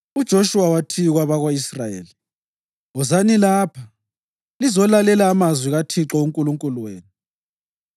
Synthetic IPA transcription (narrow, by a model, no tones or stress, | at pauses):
ud̥ʒ̥ʱoʃuwawatʰiɣwaβaɣwaisrajḛːli | ɔzanilaːpʰa | lizɔlalɛlaːmazwiɣatʰiǁɔuŋkʼuluŋkʼuluweːni